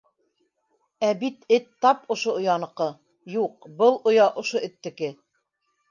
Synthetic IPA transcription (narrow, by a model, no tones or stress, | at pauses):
æbit̪ɘt̪ːɑpŏʃoŏjɑnɤ̆qɤ | juq̚bɤlˠŏjɑʔŏʃoɘ̆t̪ːɘ̆kɘ